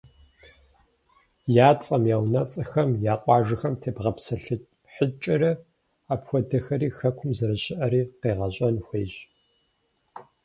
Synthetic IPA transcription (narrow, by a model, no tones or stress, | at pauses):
jaːt͡sʼɐmjaːwnɐt͡sʼɐxɐmjaːqʷʼɑːʒɨxɐmtʰeːbʁɐpsɐɬɨ | ħət͡ʃʼɪɾɐ | aːpxʷɔdɐxɐɾiːxɐkʷʰʊmzɐɾɨɕɪʔɐɾiːqeːʁɐɕʼɐnxʷeːɕ